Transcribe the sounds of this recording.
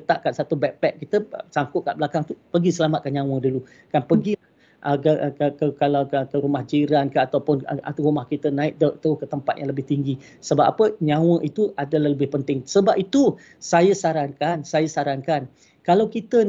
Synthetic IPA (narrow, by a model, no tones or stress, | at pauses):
ət̪aʔ̚kansat̪ubɛk̚pɛk̚kit̪əsaŋkʊʔ̪̚ka̰ʔbəlakaŋt̪upəɡisəlamat̪̚kanɲãw̃ə̃dulu | kanpəɡila | ʔəkəəkəkalawkəkəɾumahd͡ʒiɾankəat̪awpʊna̰t̪uɾumahkit̪ənãɪʔ̚dəʔt̪kət̪əmpat̪jãŋləbɪht̪iŋɡi | səbapapəɲãw̃ə̃ʔit̪uʔadalahləbɪhpənt̪ɪŋsəbapit̪u | sajəsaɾankansajasaɾankan | kalawkit̪ən